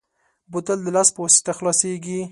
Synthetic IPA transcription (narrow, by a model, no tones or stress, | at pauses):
but̪əld̪əlaspəwasi̥t̪axlɑseɡi